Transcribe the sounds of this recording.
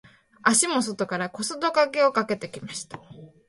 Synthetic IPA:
aɕimo̞s̬o̞t̪o̞kaɾako̞sɨd̪o̞kake̞o̞kake̞t̪e̞kʲimaɕi̥t̪ḁ

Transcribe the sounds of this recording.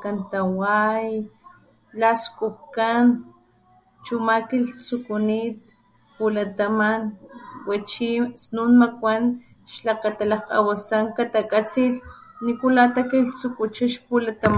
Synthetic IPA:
kant̪awaj | laskʼuxkan | t͡ʃumakilt͡sukunit̪̚ | pulat̪amanwat͡ʃisnunmakʷan | ʃlakat̪alahqa̰wasaŋkat̪akʼat͡silnikulat̪akiɬt͡sukut͡ʃaʃpulat̪am

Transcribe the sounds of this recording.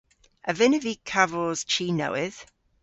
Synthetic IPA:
ʔəvɪnəvikʰavɔz̥t͡ʃʰiːnə̰wɪð̥

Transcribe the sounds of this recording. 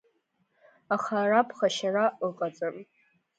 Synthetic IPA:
aχarapʰχaʃaraʔəqʼat͡sʼɨn

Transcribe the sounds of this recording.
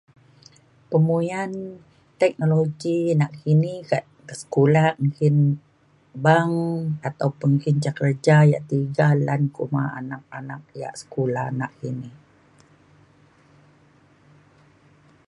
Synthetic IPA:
pəmujan | t̪ɛk̚noloɡinaʔkiniɡaʔ | kəsə̥kulaŋkɪn | baŋat̪awpʊnŋkint͡ʃakəd͡ʒaja̰ʔt̪iɡalankuma̰a̰nak̚anak̚ja̰ʔsə̥kulahnaʔkinih

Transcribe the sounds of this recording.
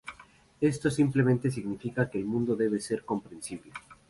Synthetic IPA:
e̞st̪o̞simplement̪e̞s̬iɣnifikakeːlmũnd̪oðe̞β̞ese̞ɾko̞mpɾe̞nsiβ̞le

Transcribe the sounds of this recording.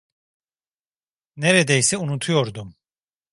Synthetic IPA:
neɾed̪ɛjsɛunut̪ʰujo̞ɾd̪um

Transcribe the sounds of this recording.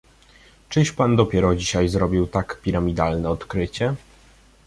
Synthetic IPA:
t͡ʂɘʂpand̪ɔpʲjɛɾɔd͡ʑiɕajzɾɔbʲiwt̪akpʲiɾamʲid̪alnɛɔt̪kɾɘt͡ɕɛ

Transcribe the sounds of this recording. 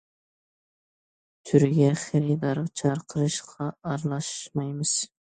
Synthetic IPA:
t̪ʰyɾɡʲɛχæɾid̪ɑɾʁɑt͡ʃʰɑɾqʰəɾɨʃqʰɑɑɾlˠɑʃmɑjmɨz̥

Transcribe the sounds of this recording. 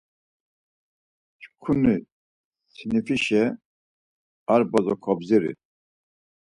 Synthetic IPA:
ʃkʰuni | sʰinifiʃɛ | aɾbazɔkʰɔbziɾḭ

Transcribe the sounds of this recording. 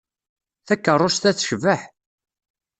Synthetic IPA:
θækːərˤːost̪æθʃəvəħ

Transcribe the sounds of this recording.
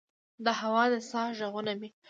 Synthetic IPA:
d̪əɦawɑd̪əsɑʒaɣunami

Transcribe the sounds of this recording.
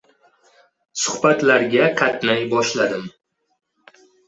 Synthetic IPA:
sʊhbat̪laɾɡʲaqʰat̪najbɒʃlad̪ɪm

